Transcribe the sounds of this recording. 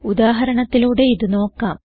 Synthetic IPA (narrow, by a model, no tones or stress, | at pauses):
ud̪aːɦɐɾɐɳɐt̪ːiluːɽe̞iðɨno̞ːkːaːm